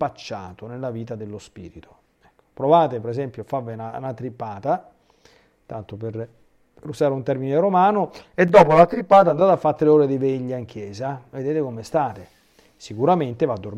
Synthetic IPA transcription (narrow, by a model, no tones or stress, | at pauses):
pat͡ʃːa̰ːt̪onelːaviːt̪ad̪elːospḭːɾit̪ʰo̥ | ɛkːo̥pɾovaːt̪epeɾezɛmpjoafavina̰nat̪ɾipːaːt̪a | t̪ant̪oper | pɾuzaːɾeunt̪ɛrmineɾomaːnoed̪ːɔːpolat̪ɾipːaːt̪and̪aːt̪afːat̪ːɾeoːɾed̪iveʎːaiŋk̟jɛːzaved̪eːt̪ekomest̪aːt̪e | sikuɾament̪evad̪ːor